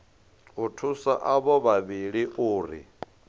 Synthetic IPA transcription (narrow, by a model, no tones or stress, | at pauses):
utʰusa̰ʔaβɔβaβiɺiʔʊːɾḭ